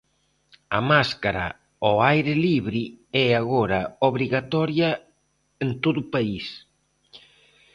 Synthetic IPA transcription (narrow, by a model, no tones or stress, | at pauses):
amaskaɾa̰ | oajɾɪliβɾiɛaɣoɾɐoβɾiɣat̪ɔɾjɐ | ent̪oðʊpais